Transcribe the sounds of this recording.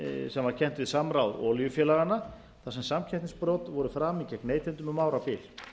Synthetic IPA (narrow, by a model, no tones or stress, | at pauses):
sɛmvaɾ̥cʰɛn̥t̪vɪðsamɾawðɔːljʏfjɛːlaɣana | θasɛmsamcʰɛt̪nĩspɾɔwt̪vɔɾʏfɾaːmicɛkneːjt̪ɛnt̪ʏmʏmaːwɾapɪːl